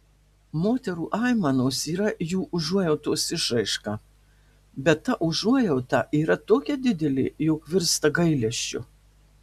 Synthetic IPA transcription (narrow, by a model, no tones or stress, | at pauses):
moːt̪ʲɛɾuːʔɑːɪmɐnoːsiːɾɐjuːʔʊʒuɔjɛʊt̪oːsɪʃɾɐɪʃkɑ | bʲɛt̪ːɐʔʊʒuɔjɛʊt̪ɑʔiːɾɐt̪oːkʲɛd̪ʲɪd̪ʲɛlʲɪ̰joːkʋʲɪɾst̪ɐɡɐɪlʲɛʃʲt͡ʃʲʊ̰